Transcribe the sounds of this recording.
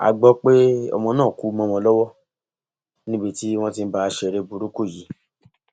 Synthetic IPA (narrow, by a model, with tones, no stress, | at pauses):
a̰˧ɡ͡bɔ˧k͡pe˦ɔ̰˧mɔ̃˧nãː˦˨ku˨˦mɔ̃˧mɔ̃˧lɔ˦wɔ˦ | nĩ˦be˧ti˦w̃ɔ̃˦ti˧n̩˦ba˧ʃɛ˧ɾe˧bu˧ɾu˦ko˦˨ji˨˦